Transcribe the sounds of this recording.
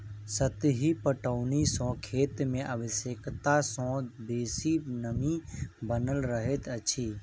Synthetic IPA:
sət̪ɦipəʈəʊnisɔ̃ːkʰeːt̪mẽʔəʋɪsekt̪asɔ̃beːsinəmĩbənəlɾəɦet̪ət͡ʃʰiː

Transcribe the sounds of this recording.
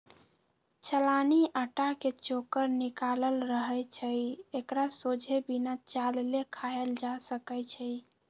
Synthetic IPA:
t͡ʃʰəlaniʔəʈaket͡ʃokəɾnikaləlɾəɦɛt͡ʃʰəjekɾasod͡ʒʱebinat͡ʃalelekʰajəld͡ʒasəkɛjt͡ʃʰəj

